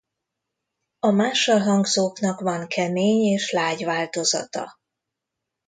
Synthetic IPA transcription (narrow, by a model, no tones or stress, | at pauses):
ɒmaːʃːɒlɦɒŋɡzoːknɒkvɒŋkʰɛmeːɲeːʃlaːɟvaːlt̪o̞zɒ̰t̪ɒ̰